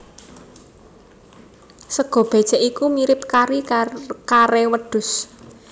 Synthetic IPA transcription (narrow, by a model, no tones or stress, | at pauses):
səɡ̥ɔ̤b̥e̤d̥t͡ʃɛʔikumiɾɪp̚kaɾikaɾewəɖ̪̥ʊ̤s